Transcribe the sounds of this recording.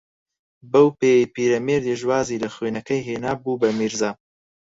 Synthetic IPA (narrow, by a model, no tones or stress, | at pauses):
bɐwpeːjjpiːɾɐmeːɾd̪eʒwaːziːlɐxweːnɐkɐjɦeːnaːbuːbɐmiːɾzaː